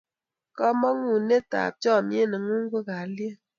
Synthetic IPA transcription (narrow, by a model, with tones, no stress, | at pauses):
kɔ˦mɔ˦ŋu˨ne˦ta̰˨p̚t͡ʃɔ˦˨mje˦˨nɨ˨ŋu˦ŋ̩˦ɡʷu˦ka˨˦lje˦